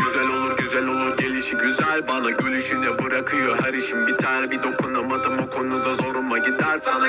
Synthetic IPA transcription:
yzælʲo̞lˠuɾɟyzælʲo̞lˠuɾɟelʲiʃiɟyzælʲbanaɟø̞lʲyʃynd̪ɛbɯɾakʰɯjohaɾiʃimbit̪ʰaːnɛbid̪o̞kʰunlˠamad̪ɯmbukʰo̞nud̪azo̞ɾunlˠaɟid̪ːæɾsana

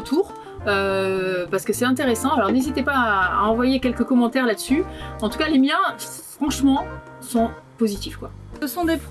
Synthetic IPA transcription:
t̪ʰuːʁ | øpaʁsə̥kəsɛt̪ɛ̃t̪eʁesɑ̃alɔʁnezit̪epaaɑ̃vwajekʲɛlkəkɔmɑ̃t̪ɛʁlad̪əsyɑ̃t̪ukalemjɛ̃ | fχɑ̃ʃmɑ̃ | sɔ̃pozit̪ifkwaəsɔ̃d̪ep

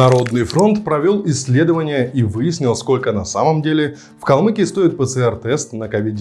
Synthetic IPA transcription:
nɐɾo̞d̪nɨjfɾo̞nt̪pɾɐvʲo̞lˠɪsʲːlʲe̞d̪əvənʲɪjəʔivɨjɪsʲnʲɪlˠsko̞lʲkənɐsaməmdʲelʲɪ | fkɐlˠmɨkʲɪst̪o̞ɪt̪̚pət̪sɨɛrt̪ɛst̪nəkɐvʲid̪ʲ

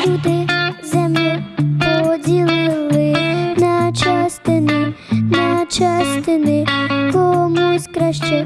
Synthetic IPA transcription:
sud̪ɪzɛmlʲɛpɔdʲilˠɪɪlˠɪnɐt͡ʃast̪ɪnɪnɐt͡ʃast̪ɪnɪkɔmusʲkɾaʃt͡ʃɛ

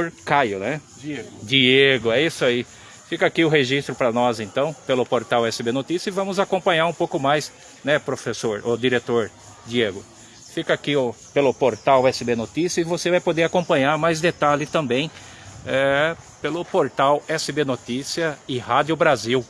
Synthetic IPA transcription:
oɾkajʊnɛ | d͡ʒieɡʊɛisai | fikakiʊɦeʒist̪ɾʊpɾɐnɔzẽnt̪ɐ̃w̃pelʊpoɾt̪awɛsɪbenot̪isjɐɪvɐ̃mʊzakõmpɐ̃ɲaɾũpowkʊmajs | nɛpɾofesoɾʊd̪iɾet̪oɾ | d͡ʒieɡʊ | fikɐakiʊ | pelʊpoɾt̪awɛsɪbenot̪isiɐɪvosevajpod̪eɾakõpɐ̃ɲaɾmajzd̪et̪alɪt̪ɐ̃bẽj̃ | ɛ | pelʊpoɾt̪awɛsɪbenot̪isiɐɪhad͡ʒjʊbɾaziw

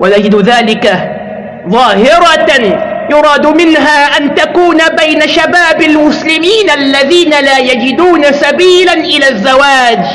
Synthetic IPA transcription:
wanad͡ʒɪd̪ʊðaːlɪka | ðˤɑːhɪɾˤɑ | jʊɾˤɑːd̪mɪnɦaːʔant̪akuːnabajnaʃabaːbalmʊslɪmiːnalːaðiːnalaːjad͡ʒɪd̪uːnasabiːlanʔɪlaːzːawaːd͡ʒ

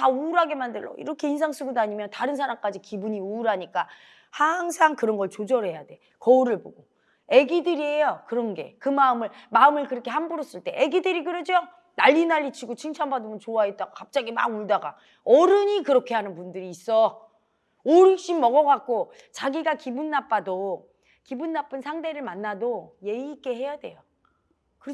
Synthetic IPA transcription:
tauɾɦaɡe̞mandɯɭːʌ̰ḭɾʌkʰe̞ins̬ʰaŋs͈uɡudaɲimjʌntaɾɯns̬ʰaɾamk͈ad͡ʑikibuɲiuːɾɦaɲik͈a | haŋsʰaŋkɯɾʌnɡʌɭt͡ɕod͡ʑʌɾɦe̞jade̞ | kʌuɾɯɭboɡo | eɡidɯɾiɦe̞jokɯɾʌnɡe̞̰kɯmaɯmɯɭmaɯmɯɭkɯɾʌkʰe̞hambuɾʌs͈ɯɭt͈e̞ʔeɡidɯɾiɡɯɾʌd͡ʑo | naʎːinaʎːit͡ɕʰiɡot͡ɕʰɯŋt͡ɕʰʌmbadɯmɯnt͡ɕoaɦet̚t͈aɡokap̚t͡ɕ͈aɡima̰ɡuɭdaɡa̰ | ʌɾɯɲikɯɾʌkʰe̞hanɯnpundɯɾiːs͈ʌ | oɾɯɕ͈imːʌɡʌɡak̚k͈o | t͡ɕaɡiɡakibunːap͈ado | kibunːap͈ʰɯnsʰaŋde̞ɾɯɭmanːadoje̞iːk͈e̞he̞jade̞̰jo | kɯ

